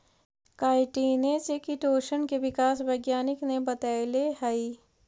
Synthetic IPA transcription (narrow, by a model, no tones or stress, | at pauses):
kaːɪʈiːnet͡ʃekiʈoːʃənkeʋɪkaːsʋɐɪɡjaːnɪknebɐt̪aːilehai